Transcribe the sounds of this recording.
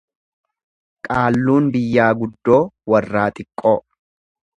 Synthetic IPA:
kʼaːlːuːnbɪjːaːɡʊd̪ːo̞ːwɐrːaːt̪ʼɪkʼːoː

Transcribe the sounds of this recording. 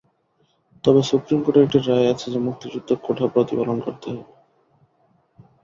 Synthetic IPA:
t̪ɔbesupɾimkoʈeekʈiɾːaeat͡ɕʰed͡ʑemuk̚t̪id͡ʑud̪ʱːokoʈʰapɾot̪ibalonkoɾt̪eɦɔ

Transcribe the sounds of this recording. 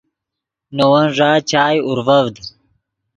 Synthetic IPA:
nowɐnʐaːt͡ɕaːjuɾvɐvd̪

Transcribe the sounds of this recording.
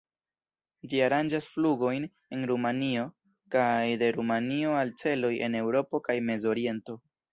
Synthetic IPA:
d͡ʒiaɾand͡ʒasfluɡo̞jn | e̞nɾumanio̞ | kajde̞ɾumanio̞alt͡se̞lo̞jʔe̞̰ne̞wɾo̞po̞kajme̞zo̞ɾie̞nto̞

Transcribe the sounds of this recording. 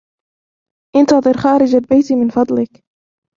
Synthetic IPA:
ʔɪnt̪ɑðˤɨɾxaːɾɪd͡ʒalbajt̪imɪnfɑd̪ˤlɪk

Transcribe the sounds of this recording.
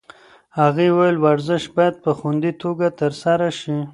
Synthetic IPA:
haɣewajəlwaɾzɪʃbajad̪̚pəxund̪it̪oɡat̪əɾsaɾaʃi

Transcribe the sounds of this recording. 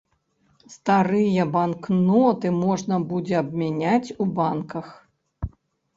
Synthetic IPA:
st̪aɾɨjɐbanknɔt̪ɨmɔʐnɐbud͡zʲɛɐbmʲanʲat͡sʲubankɐx

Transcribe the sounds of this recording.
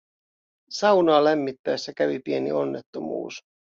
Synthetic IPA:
sɑwnɑːlæmːit̪ːæesːækæʋipie̞nḭo̞nːe̞t̪ːomṵːs

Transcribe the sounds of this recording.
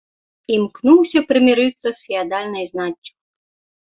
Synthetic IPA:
imknuwsʲɐpɾɨmʲiɾɨt̪sːɐsfʲiad̪alʲnɐjznat͡ʃʲːu̥

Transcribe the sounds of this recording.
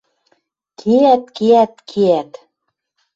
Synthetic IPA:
kʰiæt̪̚kiæt̪̚kʰeæt̪

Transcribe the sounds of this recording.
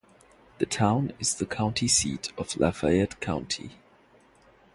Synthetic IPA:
ðɨtʰãʊ̃nɪz̥ðəkʰãʊ̃ntʰisḭtʰʌv̥lʔafa̰ɛdkʰãʊ̃ntʰḭ

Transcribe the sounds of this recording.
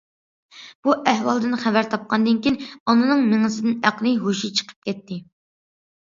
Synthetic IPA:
b̥uʔæhwɑlˠd̪ɨnχɛvæɾt̪ʰɑp̚qɑnd̪ɨnkʲinɔnɨnɨŋmeŋɨsɪd̪ɪnæqlˠɨɦoʃit͡ʃʰə̥qʰə̥p̚kʲɛt̪ʰːɪ

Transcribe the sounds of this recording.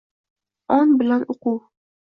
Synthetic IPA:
ɒnbɪlanoquw

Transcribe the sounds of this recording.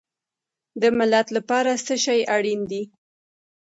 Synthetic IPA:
d̪əmɪlat̪lapɑɾasəʃɑjaɽind̪i

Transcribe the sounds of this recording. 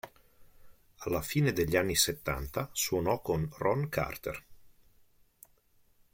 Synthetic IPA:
alːafiːned̪eʎːanːiset̪ːa̰nt̪aswonɔkonrɔnkʰa̰rt̪ḛr

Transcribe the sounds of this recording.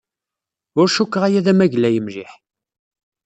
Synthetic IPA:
ʊɾʃukːʁæjæðæmæʝlæjəmʒiħ

